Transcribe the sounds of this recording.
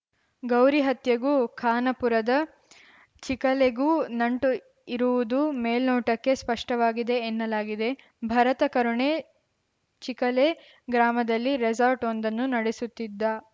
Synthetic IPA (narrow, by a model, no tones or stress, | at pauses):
ɡɐwɾiɦɐt̪jɐɡuːkʰaːnɐpuɾɐd̪ɐ | t͡ʃikɐleɡuːnɐɳʈu | iɾuʋud̪umeːlnoːʈɐkːe̞spɐʂʈɐʋaːɡid̪e̞ːnːɐlaːɡid̪e̞ | bʱɐɾɐt̪ɐkɐɾuɳe | t͡ʃikɐleː | ɡɾaːmɐd̪ɐlːiɾed͡ʒaːɾʈond̪ɐnːunɐɽesut̪ːid̪ːɐ